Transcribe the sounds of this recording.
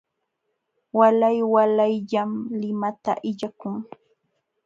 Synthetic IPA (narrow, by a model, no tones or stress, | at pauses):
walajwalajʎamlɪmat̪a̰ʔɪʎakʊŋ